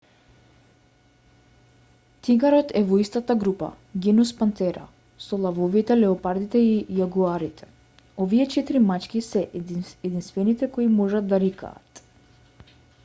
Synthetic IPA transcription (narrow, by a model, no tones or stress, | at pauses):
t̪iɡaɾɔt̪ʰɛvɔist̪at̪aɡɾupa̰ | ɡʲɛnuspant̪ɛɾa̰ | sɔlˠavɔvit̪ɛlɛɔpaɾd̪it̪ɛijaɡuaɾit̪ʰɛ̥ | ɔviɛt͡ʃɛt̪iɾimat͡ʃkʲisɛʔɛd̪inst̪vɛnit̪ɛkoimɔʒat̪d̪aɾika̰ːt̪